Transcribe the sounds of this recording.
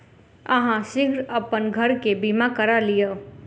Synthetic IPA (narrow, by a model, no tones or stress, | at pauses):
əɦãsɪɡɾəpənɡʱəɾkebimakəɾalijo